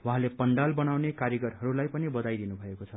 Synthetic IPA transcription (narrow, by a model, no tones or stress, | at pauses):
waɦãlepʌɳɖalbʌnawnekarjʌɡʌrɦʌɾulajpʌnibʌd̪ajd̪inubʱʌekot͡sʰʌ